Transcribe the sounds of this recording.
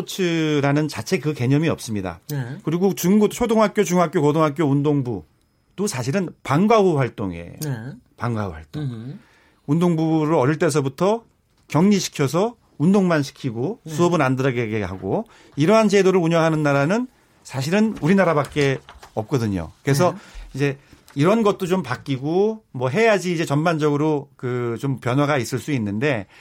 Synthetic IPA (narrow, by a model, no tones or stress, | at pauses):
t͡ɕʰɯɾanɯnt͡ɕat͡ɕʰe̞kɯke̞ɲʌmiʌ̰p̚s͈ɯmɲida̰kɯɾiɡot͡ɕuŋɡut͡ɕʰodoŋɦak͈̚jot͡ɕuŋɦak͈jokodoŋɦak͈joundoŋbu | t͈osʰaɕʰiɾɯnpaŋɡauɸwaɭt͈oŋḛjopaŋɡaṵwa̰ɭt͈oŋ | undoŋbuɾɯʌɾiɭt͈e̞s̬ʰʌbutʰʌ | kjʌŋɲiɕʰi̥kʰjʌs̬ʰʌ | undoŋmanɕʰi̥kʰiɡosʰuʌbɯnandɯɾʌɡeɡeɦaɡo | iɾʌɦant͡ɕe̞doɾɯɭuɲʌŋɦanɯnːaɾanɯn | sʰaɕʰiɾɯnuɾinaɾabak͈̚e̞ʌp̚k͈ʌdɯɲo̰kɯɾe̞sʰʌid͡ʑe̞ | iɾʌnɡʌt̚t͈ot͡ɕompakk͈iɡomwʌɦe̞jad͡ʑiːd͡ʑe̞t͡ɕʌnband͡ʑʌɡɯɾokɯt͡ɕompjʌnwaɡais͈ɯɭs͈uinːɯnde̞